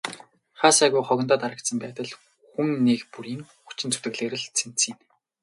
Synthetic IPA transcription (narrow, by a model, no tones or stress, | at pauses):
χaːsæɣʊjχɔɣ̆ʲnt̪aːt̪aɾə̆k̚t̪sə̆mpæːt̪ə̆ɮ | xuŋːekpuɾiːŋxut͡ɕɪ̆nt͡sʰu̥t̪ɘ̆ɣɮeːɾɘ̆ɮt͡sʰen̥t͡siːn